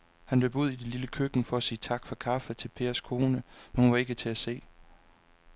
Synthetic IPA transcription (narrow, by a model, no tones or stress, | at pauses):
hænb̥lebuð̞̰ˠid̥eliləkʰøɡ̥n̩fɒ̽æsiːt͡sʰɑ̈ɡ̥fɒ̽kʰɑ̈fət͡sʰe̝lpʰe̝̰ːɐskʰo̝ːnəmenhunʋɑ̈e̝ɡ̥ət͡sʰe̝æse̝̰ː